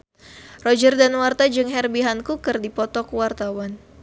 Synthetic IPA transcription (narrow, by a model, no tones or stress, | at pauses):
rɔd͡ʒərdanwart̪ad͡ʒɨŋɦɛrbiɦankukərdipɔt̪ɔkwart̪awan